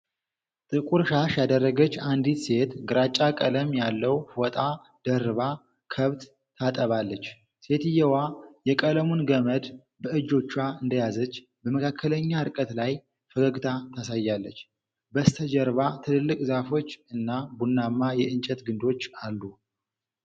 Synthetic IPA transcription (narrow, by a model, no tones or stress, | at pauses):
t̪ʼɨkʼuɾʃaʃjad̪ərːəɡət͡ʃːand̪it̪se̞t̪ɡɨɾat͡ʃʼːakʼələmjalːəwfot̪ʼa | d̪̥ərβa | kʰəβt̪ːʰ | at̪ʼəβalːət͡ʃː | se̞t̪ɨjːɛwajɛkʼələmunɡəməd̪ | bəʔɨd͡ʒo̞t͡ʃːaɨnd̪əjazət͡ʃː | bəməkʰakʰːələɲːaɨɾkʼət̪laj | fəɡəɡɨt̪ʰat̪ʰasajːalːət͡ʃː | bəst̪ʰəd͡ʒɛɾβat̪ʰɨlɨlːɨkʼzafo̞t͡ʃːɨnːabunːamːajɛɨnt͡ʃʼɛt̪ɡɨnd̪o̞t͡ʃːalːu